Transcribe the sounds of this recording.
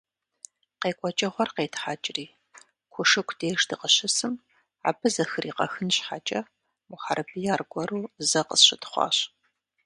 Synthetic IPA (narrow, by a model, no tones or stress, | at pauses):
qeːkʷʼɔt͡ʃʼɐχʷɔrqeːtʰħaːt͡ʃʼɪriː | kʷʰʊʂɨkʷʰd̥eːʂdɨqəɕɪsɨm | a̰ːbɨzɐxɨriːqɐ̰xɨnɕħat͡ʃʼɐ | wʷʊħarɨbɨjaːrɡʷɔɾuːzɐqə̰sɕɪtʰχʷɑ̰ːɕ